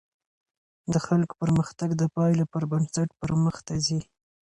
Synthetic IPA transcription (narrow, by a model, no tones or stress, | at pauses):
d̪əxalko̥pəɾməxt̪aɡd̪əpɑjlapəɾbansaʈpəɾməxt̪azi